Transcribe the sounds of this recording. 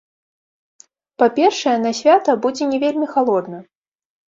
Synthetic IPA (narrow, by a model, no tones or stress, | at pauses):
papʲɛrʂɐjɛnɐsʲvʲat̪ɐbud͡zʲɛnʲɛvʲelʲmʲixalˠɔd̪nɐ